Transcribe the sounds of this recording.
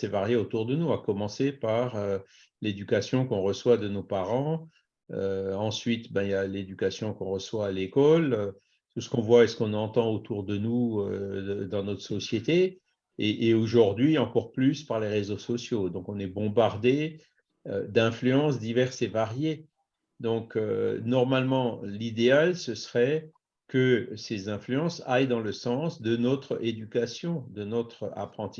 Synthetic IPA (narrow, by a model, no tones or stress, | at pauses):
sɛvaʁjeot̪uʁd̪ənuakɔmɑ̃sepaʁø | led̪ykasjɔ̃kɔ̃ʁəswad̪ənopaʁɑ̃ | øɑ̃sɥit̪bɛ̃iljaled̪ykasjɔ̃kɔ̃ʁəswaːlekɔlø | t̪usə̥kɔ̃vwaesə̥kɔ̃nɑ̃t̪ɑ̃ot̪uʁd̪ənuød̪ɑ̃nɔt̪χə̥sɔsjet̪e | eʔeoʒuʁd̪ɥiɑ̃kɔʁplyspaʁleʁezosɔsjod̪ɔ̃kɔ̃nɛbɔ̃baʁd̪e | ø̰d̪ɛ̃flyɑ̃s̬d̪ivɛʁsevaʁje | d̪ɔ̃kø̰nɔʁmalmɑ̃lid̪ealsəsəʁɛ | kəsezɛ̃flyɑ̃sajd̪ɑ̃ləsɑ̃sd̪ənɔt̪χed̪ykasjɔ̃d̪ənɔt̪χa̰pχɑ̃t̪i